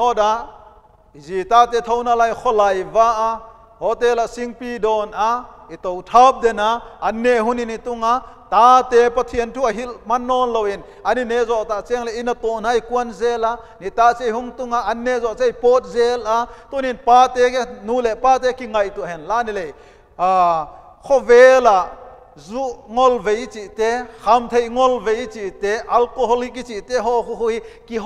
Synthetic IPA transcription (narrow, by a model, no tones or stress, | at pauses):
nɔdaʔ | zit̪aːt̪ɛːt̪ʰownalajkʰɔlajvaːʔa | ɦɔt̪ɛlasiŋpidɔːnait̪owtʰap̚dɛnaʔɐnːeɦuninit̪uŋaʔt̪aːt̪ɛpɐt̪ʰiəntʰuːɐɦilmɐnːɔːnlowin | ɐninezɔʔt̪at͡siəŋlɛʔinɐt̪ɔnaikuənzɛla | niʔt̪aʔt͡sejɦuŋt̪uŋaʔɐnːezɔʔt͡sejpɔt̚zɛlat̪uninpaːt̪ɛnuːlɛʔpaːt̪̬ɛkiŋɐjt̪uɦɛnlanilɛ | a | kʰɔvɛlaʔ | zuʔŋɔlvejt͡sit̪ɛxʰamt̪ʰejŋɔlvejt͡sit̪ɛʔɐlkoɦɔlikit͡sit̪ɛɦɔkuɦuikiɦ